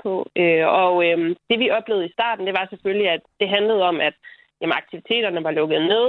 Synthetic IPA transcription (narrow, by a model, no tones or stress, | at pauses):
pʰɒ̽øɒ̽md̥e̝ʋiʔɒ̽b̥le̝ːʊð̩ˠisd̥ɑ̰̈ːd̥n̩d̥e̝ʋɑ̈sefølliæd̥ːe̝ɦænləð̞̩ˠɒ̽m̰æd̥ | jæmənɑ̈ɡ̥̚t͡sʰiʋit͡sʰe̝̰ːɾ̥ɐnəʋɑ̈lɔ̽ɡ̥ð̩ˠne̝ð̰ˠ